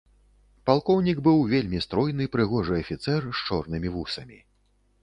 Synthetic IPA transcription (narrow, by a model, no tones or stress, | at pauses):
palˠkɔwnʲiɡbɨwvʲelʲmʲist̪ɾɔjn̪ɨpɾɨɣɔʐɨɐfʲit̪sɛrʃt͡ʂɔrnɨmʲivusɐmʲi